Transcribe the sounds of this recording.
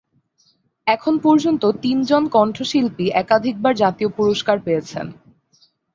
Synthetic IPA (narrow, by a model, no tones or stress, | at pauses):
ɛkʰonpɔɾd͡ʑont̪ot̪ind͡ʑonkɔɳʈʰoʃilpiʔɛkad̪ʱik̚baɾd͡ʑat̪iopuɾoʃkaɾpeet͡ɕʰḛn